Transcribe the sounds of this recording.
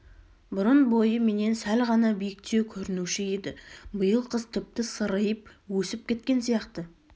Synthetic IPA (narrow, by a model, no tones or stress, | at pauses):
bʊɾənbo̞jəme̞ne̞nsælʁɑnɑbijɪk̚t̪e̞wkʲʰɵɾɪnuʃɪe̞d̪ɪbəjəlˠqʰəzt̪ʰʏp̚t̪ɪsəɾəjəp̚wɵsɪp̚kʲʰe̞t̪̚kʲe̞nsijɑqt̪ə